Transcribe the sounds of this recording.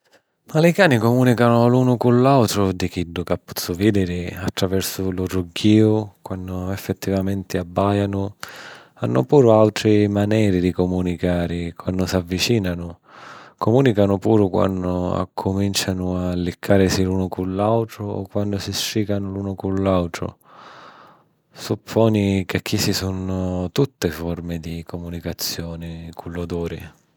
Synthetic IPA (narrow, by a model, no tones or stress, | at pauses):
malɪkaːnikomuːnikanʊluːnʊkʊlːawt̪ɾʊd̪ik̟idːʊkapːɔ̥t̪sːʊvid̪ɪɾɪat̪ːɾavɛrsʊlʊɾuɡːiːʊkwanːʊɛfːɛt̪ːivamɛnt̪ɪabːajanʊ | anːʊ̰puːɾʊalt̪ɾɪmanɛːɾɪd̪ikɔmunikaːɾɪkwanːdʊsavːit͡ʃiːnanʊ | kʊmuːnikanʊpuːɾʊkwa̰nːʊa̰kʰːʊmint͡ʃanʊalːikʰːaːɾɪsiluːnʊkulːawt̪ɾʊɔ̰kːwand̪ʊsisɾiːkanʊluːnʊkulːawt̪ɾʊ̰ | supʰːɔːnikɪk̟ːisisunʊt̪ut̪ːɪfɔrmɪd̪ikʰɔmunikat̪sːjɔːnɪkʰulːod̪uːɾɪ̰